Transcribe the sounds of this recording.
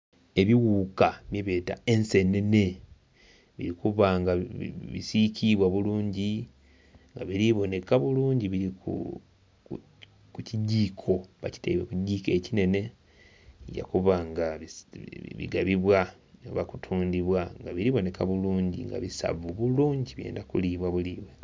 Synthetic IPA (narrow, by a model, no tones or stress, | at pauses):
e̞βiɣuːkamjeβeːta̰e̞nse̞ne̞ne̞ | βiɾikuβaŋɡaβḭsicʰiβwaβuluːɲɟi | ŋɡaβiɾiβo̞ne̞kaβuluːɲɟiβiɾikṵ | kuciɟːiːkʰo̞βaci̥teiβwekuɟːiːke̞cine̞ne̞ | ɟa̰kuβaŋɡaiβḭɡaβiβwa | no̰βakutʰuːndiβwaŋɡaβiɾiβo̞nekaβuluːɲɟḭŋɡa̰βisa̰βuβuluːɲɟiβje̞̰ːndakuliβwaβuliːβwe̞